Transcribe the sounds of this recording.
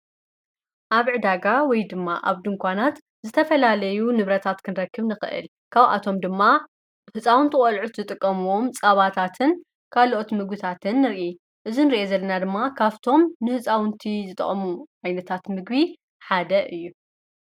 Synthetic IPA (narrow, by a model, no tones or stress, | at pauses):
ʔaβʕɨd̪aɡawɔjd̪ɨmːa̰ʔaβd̪ɨŋkʷʰanat̪ | zɨt̪ʰɐfɐlalɐjunɨβɾɐt̪ʰat̪kʰɨnɾɐkʰːɨβnɨxɨ̰ʔɨ̰l | kʰaβʔa̰t̪ʰo̞md̪ɨmːa | hɨt͡sʼawɨnt̪ʰɨχʼɐlʕut̪ɨt̪ʼɨkʼːɐmuwo̞mt͡sʼɐβat̪ʰat̪ʰɨn | kʰalʔo̞t̪mɨɡbɨt̪ʰat̪ʰɨnːɨɾʔi | ʔɨzinɨɾiʔezɐlːɐnad̪ɨmːakʰaβt̪ʰo̞mnɨhɨt͡sʼawɨnt̪ʰizɨt̪ʼɐ̰χʼɐmuʔajnɐt̪ʰat̪mɨɡbi | ħad̪ɐʔɨjːu